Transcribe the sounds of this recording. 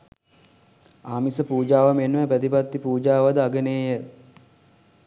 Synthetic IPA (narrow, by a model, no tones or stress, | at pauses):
aːmisəpuːd͡ʒaːʋamenʋæpɾət̪ipat̪ːipuːd͡ʒaːʋad̪əaɡəneːjə